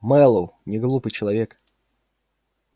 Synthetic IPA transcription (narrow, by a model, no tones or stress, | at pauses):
mɛlˠownʲɪɡlˠupɨjt͡ɕɪlˠɐvʲek